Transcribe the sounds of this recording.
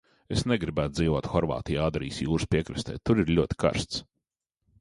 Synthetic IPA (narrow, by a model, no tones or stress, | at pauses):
esnɛɡɾibæːt̪̚d̪ziːvoɔt̪xɔɾva̰ːt̪ijaaːd̪ɾḭːsjuːɾspʲiɛkɾɨst̪ɛ̰jt̪uɾiɾlʲuɔt̪ʲi̥kʰa̰ɾst̪s